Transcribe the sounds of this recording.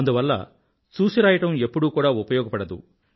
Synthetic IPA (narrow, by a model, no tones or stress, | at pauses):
ɐnd̪uʋɐlːɐ̰ | t͡ʃuːsiɾaːjɐʈɐme̞pːuɽuːkuːɽaːupɐjɔːɡɐpɐɽɐd̪ṵ